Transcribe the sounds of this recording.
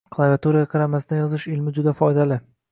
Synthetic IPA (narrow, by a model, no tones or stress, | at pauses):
kʰlˠavʲɪat̪uɾaɡʲaqʰɑɾamasɪd̪ajɒzɪʃɪlmɪd͡ʒʊd̪afɒjd̪alɪ